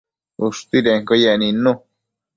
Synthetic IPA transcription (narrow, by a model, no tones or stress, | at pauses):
uʂt̪iɾeŋkojeʔnĩnũ